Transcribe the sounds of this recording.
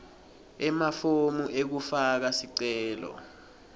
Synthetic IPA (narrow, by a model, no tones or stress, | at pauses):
ɛmafomuʔek̬ufak̬asiǀɛːlɔ̰